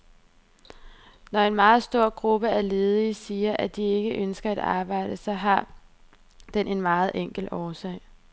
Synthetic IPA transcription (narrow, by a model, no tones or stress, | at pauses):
nɒe̝nmɑ̈ːð̞̩ˠsd̥o̝ɐ̰ɡ̥ʁub̥əæɐle̝ːð̞ˠisiːɐʔæd̥ie̝ɡ̥əʔønsɡ̥ɐæd̥ɑ̰̈ːb̥ɑ̈ɪ̰d̥əsɒ̽ɦɑ̈ | d̥enʔe̝nmɑ̈ːð̞̩ˠʔeŋ̰ɡ̥l̩ɒːsɛɪ̰